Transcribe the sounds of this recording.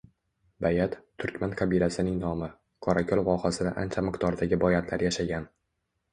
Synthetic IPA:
bajat̪t̪ʰːʊɾkʲmankʰɑbilasɪnɪŋnɒmɪ | kʰɒɾakʲʰɒlˠvɒhasɪd̪a̰ʔa̰nt͡ʃʰamɪqt̪ɒɾd̪aɡʲɪbɒjat̪ʰlaɾjaʃaɡʲan

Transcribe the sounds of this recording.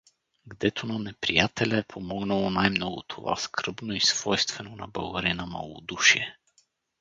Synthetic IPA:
ɡd̪ɛt̪ʰonanɛpɾijat̪ʰɛlʲaːpʰomɔɡnalˠonajmnɔɡʊt̪ʰova̰skɾɤbnoisv̥ɔjst̪vɛnona̰baɡaɾinama̰lˠo̰d̪uʃiɛ

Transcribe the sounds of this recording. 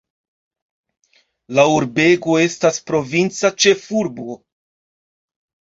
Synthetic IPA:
lauɾbe̞ɡo̞e̞staspɾo̞vint͡sat͡ʃe̞fuɾbo̞

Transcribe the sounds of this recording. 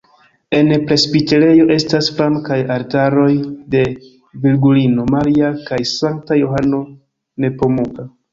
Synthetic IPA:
e̞npɾe̞sbiteɾe̞jo̞ʔe̞stasfɾamkajaɾtaɾo̞jde̞ | vilɡulino̞maɾiakajsaŋk̚tajoɦano̞ | ne̞po̞muɡa

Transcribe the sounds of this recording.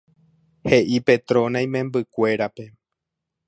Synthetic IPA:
he̞ʔipe̞t̪ɾõ̞nãj̃mẽ̞mbɨkʷe̞ɾape̞

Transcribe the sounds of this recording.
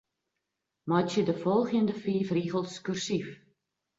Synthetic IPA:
mɑtədəfɔlˠχiəndəfiːfriːχəlˠskyrsif

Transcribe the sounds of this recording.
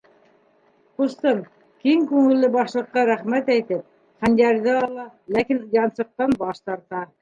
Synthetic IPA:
qust̪ɤn | kiŋkʉŋɘ̆lːɘbɑʃlˠɤ̆qːɑɾæχmæt̪æjt̪ɘp̚ | χænd̪ʲæɾðɘɑlˠɑlækinjɑnsɤ̆q̚t̪ɑnbɑʃt̪ɑɾt̪ɑ

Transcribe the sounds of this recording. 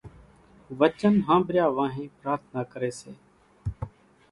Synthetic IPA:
ʋət͡ʃənɦãːbɾɪjaːʋãːɦĩːpɾaːɾt̪ʰnaːkəɾeːsḛː

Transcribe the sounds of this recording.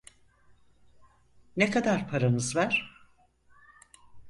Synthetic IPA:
nekʰad̪aɾpʰaɾanɯzvæɾ̥

